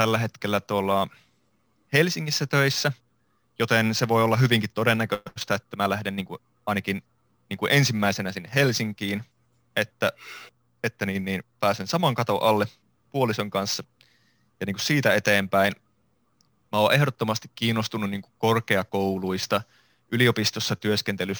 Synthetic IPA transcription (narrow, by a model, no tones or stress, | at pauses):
t̪ælːæɦet̪kelːæt̪uolːɑ | helsiŋːisːæt̪øisːæ | jot̪enseʋoiolːɑɦyʋiŋkit̪t̪odenːækøst̪æet̪ːæmælæhdenniːŋku | ɑinɑkin | niːŋkuʔensimːæisenæsinːehelsiŋkiːn | ʔet̪ːæ | et̪ːæniːnniːnpæːsensɑmɑŋkɑt̪o̰ʔɑlːe | puolisoŋkɑnsːɑ | jɑniːŋku̥ssiːt̪æet̪eːmpæin | mæoːʔe̞hdot̪ːomɑst̪ikkiːnːost̪unːunniːŋku̥korkeɑkouluist̪ɑ | ʔyliopist̪osːɑt̪yøskent̪ely